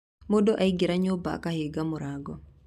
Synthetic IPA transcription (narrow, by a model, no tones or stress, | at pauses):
modoʔaiɡɪɾaɲoba̰ːkaheɡamʊɾaɡɔ